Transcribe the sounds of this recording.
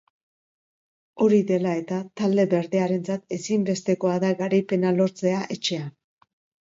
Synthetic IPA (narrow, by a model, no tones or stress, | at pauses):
o̞ɾiðe̞lae̞t̪at̪ald̪e̞βe̞ɾðe̞aɾe̞nt͡sat̪e̞simbe̞st̪e̞ko̞aðaɣaɾajpe̞nalo̞ɾt͡se̞aʔe̞t͡ʃe̞a